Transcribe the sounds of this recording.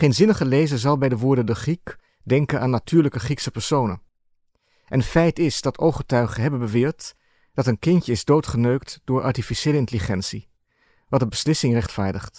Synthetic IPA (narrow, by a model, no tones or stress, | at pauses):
χejnzɪnəχəlejzənzɑlˠbɛjdəʋʊːɹdəndəχrik | dɛŋkənaːnːatʰyːɹləkəχriksəpɛɹsownə̰ | ʔɛnətfɛjtɪzdɑtʰowχətœɥχəɦɛbənbəʋɪːɹt | d̥ɑtənkɪncəɪzdowtχənøɥktd̥ʊːɹʔɑ̰ɹtifiʃejləɪntəliχɛnsi | ʋɑtdəbəslɪsɪŋrɛχtfaːɹdəχt